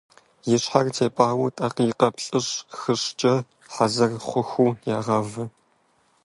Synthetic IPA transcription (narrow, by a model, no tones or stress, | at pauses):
jɪɕħartʰeːpʼaːwʊtʼɐqjɪqɐpɬʼɨɕxɨɕt͡ʃʼɐ | ħazɐrχʷʊxʷuːjaːʁɐvɨ